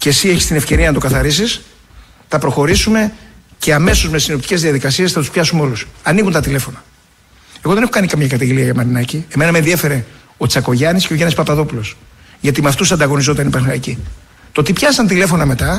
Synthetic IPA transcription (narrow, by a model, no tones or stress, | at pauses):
ce̞sieçi̥st̪ine̞fce̞ɾiɐnɐt̪o̞kɐθɐɾisis | θɐpɾo̞xo̞ɾisume̞ce̞ɐme̞so̞zme̞sino̞pt̪i̥ce̞zðiɐðikɐsie̞sθɐt̪u̥spçɐsumeo̞lusɐniɣunt̪ɐt̪ile̞fo̞nɐ | e̞ɣo̞ðenexo̞kɐnikɐmɲɐkɐt̪ɐʝeliɐʝɐmɐɾinɐcie̞me̞nɐmenðie̞fe̞ɾe̞ | o̞t͡sɐko̞ʝɐnisceoʝɐnispɐpɐðo̞pulo̞s | ʝɐt̪imɐft̪usɐnd̪ɐɣo̞nizo̞t̪ɐnipɐxɐici | t̪ot̪ipçɐsɐnt̪ile̞fo̞nɐme̞t̪ɐ